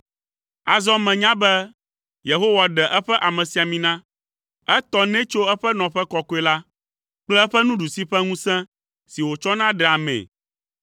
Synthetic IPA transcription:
a˨zɔ˦mɛ̃˨ɲã˦bɛ˦ | je˨ɦo˦wa˨ɖɛ˨ʔɛ˦ɸɛ˦ʔa˨mɛ̃˨si˨a˨mĩ˨nã˦ | ɛ˦t̪ɔ˦nɛ̃˦t͡ʃo˦ɛ˦ɸɛ˦nɔ̃˨ɸɛ˦kɔ˦ko˦ɛ˦la˦ | k͡plɛ˦ɛ˦ɸɛ˦nũ˦ɖu˨si˦ɸɛ˦ŋũ˦sɛ̃˦ | si˨wo˨t͡ʃɔ˦nã˦ɖɛ˨a˨mɛ̰̃˨

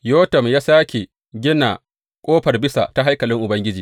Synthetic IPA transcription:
joː˦tɐ˨mjaː˦saː˦kʲe˨ | ɡʲɪ˦na˨ | kʷʼoː˦ɸɐ˨rbɪ˦sa̰˨ta˦ɦa˦jkɐ˨lɪ˦ŋʔʊ˨bɐ˦ŋɡʲɪ˦d͡ʒiː˨

